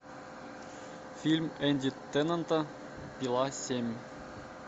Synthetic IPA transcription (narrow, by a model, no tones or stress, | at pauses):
fʲilʲmʲenʲd̪ʲit̪ːɘ̆nɤ̆nt̪ɤ | pʲilˠɑsʲemʲ